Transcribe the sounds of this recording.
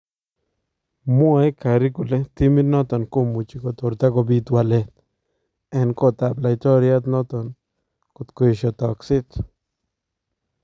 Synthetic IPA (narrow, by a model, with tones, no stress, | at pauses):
mo˦e˦ka˨ɾi˦ku˨le˦t̪i˦mi˦t̪nɔ˦t̪ɔ˨nko˦˧mu˨t͡ʃi˨ko˨t̪o˨ɾt̪a˦ko˧bi˧t̪wa˨le˨t̪ | e˨nko˦˧t̪a˨bla˧jt̪o˦ɾja˦t̪nɔ˦t̪ɔ˨n | ku˧t̪ko˧jʃɔ˧t̪ɔ˨ksi˦t̪